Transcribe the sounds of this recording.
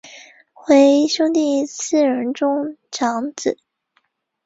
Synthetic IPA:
xwe˧˥ɪɕjo˥ʊt̪i˥˩t͡sʰɹ̩˥˩ɻə˧˥nʈ͡ʂʊ˥ŋʈ͡ʂʰɑ˧˥ŋt͡sɹ̩˨˩˦

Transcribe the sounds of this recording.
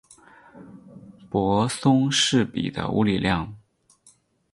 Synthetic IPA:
pwɔ˧˥sʊ˥ŋʂɻ̩˥˩pḭ˨˩d̪ə̰˦ṵ˥li˨˩ljɑ˥˩ŋ

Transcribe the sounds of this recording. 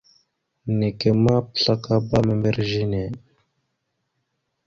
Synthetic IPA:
ne˨ke˨ma˦pɬa˦kaba˦membeɾʒine˨

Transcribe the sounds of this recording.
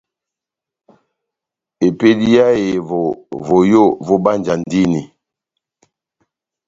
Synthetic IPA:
e˨pe˦di˦ja˦je˨vo˨vo˨jo˦˨vo˦ba˦nd͡ʒa˨n˦di˦ni˨

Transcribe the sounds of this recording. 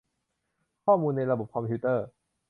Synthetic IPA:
kʰɔː˥˩muː˧nːa˧jɾa˧bo˨˩p̚kʰɔ˧mpʰuː˦˥t̪ɤː˥˩

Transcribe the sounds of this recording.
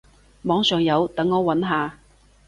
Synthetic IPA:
mɔː˨˥ŋsœː˨˩ŋjɐ˨˧wt̪ɐ˨˥ŋːɔː˨˧wɐ˨˥nɦaː˨˧

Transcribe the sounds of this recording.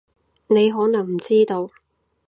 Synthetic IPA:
ne˨˧jɦɔː˨˥nɐ˨˩ŋm̩˨˩t͡siː˥t̪o˧w

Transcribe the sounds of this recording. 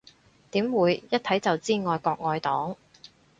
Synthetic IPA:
t̪iː˨˥mwuː˨˧jjɐ˥t̚t̪ʰɐ˨˥jt͡sɐ˨wt͡siː˥ŋɔː˧jkɔː˧k̚ŋɔː˧jt̪ɔː˨˥ŋ

